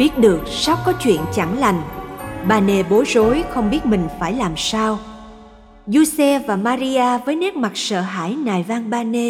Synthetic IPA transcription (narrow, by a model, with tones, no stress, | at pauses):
ɓi˦˥ət̚ɗɨ˨˩ək̚sa˦˥wk͡p̚kɔ˨˦t͡ɕwḭ˧˨ənt͡ɕa˧˩ŋla˨˩jŋ̟ɓaː˧ne˧˩ɓo˨˦zo˨˦jxə˧wŋ͡mɓi˦˥ət̚mï˨˩ŋ̟faː˧˩jlaː˨˩msaː˧w | zu˧sɛ˧vaː˨˩maː˧ɾi˧ʔaː˧vəː˨˦jne˦˥k̚ma˨˩t̚sə̰ː˧˨ɦa̰ː˧˥˩jnaː˨˩jvaː˧nɓaː˧ne˧